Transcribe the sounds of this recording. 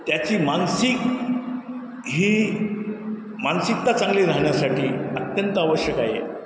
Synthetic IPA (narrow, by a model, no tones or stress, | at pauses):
t̪jat͡ɕiːmansik | ɦiː | mansik̚t̪at͡sãŋɡliːɾaɦɳjasaʈʰiːət̪jənt̪əaʋəɕjəkajḛ